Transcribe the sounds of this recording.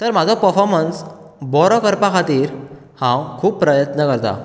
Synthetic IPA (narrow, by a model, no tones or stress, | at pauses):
t̪əɾmad͡zʱɔpəɾfɔɾməns | bɔɾɔkəɾpakʰat̪iːɾ | hãwkʰuːpːpɾəjət̪nəkəɾt̪a̰